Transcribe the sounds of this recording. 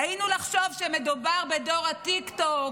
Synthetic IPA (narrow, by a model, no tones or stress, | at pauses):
ainulaχʃo̞vʃemedubaʁbe̞do̞ʁat̪ikt̪ok